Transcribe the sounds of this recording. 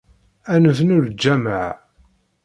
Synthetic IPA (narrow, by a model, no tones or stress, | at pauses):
ænəvnʊɾd͡ʒːæməʕ